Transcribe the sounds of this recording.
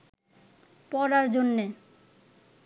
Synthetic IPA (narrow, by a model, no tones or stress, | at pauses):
pɔɾaɾd͡ʑonːe